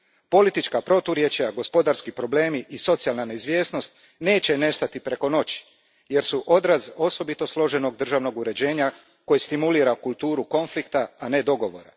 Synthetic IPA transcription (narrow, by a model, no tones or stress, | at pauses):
po̞lit̪it͡ʃkapɾo̞t̪uɾje̞t͡ɕaɡo̞spo̞d̪aɾskipɾo̞ble̞ːmiʔiso̞t̪sijalnaneizʋje̞ːsno̞st̪ | ne̞ːt͡ɕe̞ne̞st̪at̪ipɾe̞ko̞no̞t͡ɕi̥ | je̞ɾsuʔo̞d̪ɾazo̞so̞bit̪o̞slo̞ʒe̞no̞ɡd̪r̩ʒaʋno̞ɡuɾe̞d͡ʑe̞ːɲa | ko̞jest̪imuliːɾakulˠt̪uːɾuko̞nflikt̪aːne̞d̪o̞ɡo̞ʋo̞̰ɾa̰